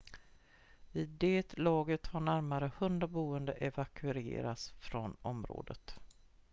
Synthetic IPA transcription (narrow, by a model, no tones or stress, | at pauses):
ɪd̪eːt̪lɑːɡət̪haɳæɾmaɾəhɵnd̪ɾabuːənd̪əʔɛvakʰʉɾḛːɾat̪sfɾɔnɔmɾo̰ːd̪ət̪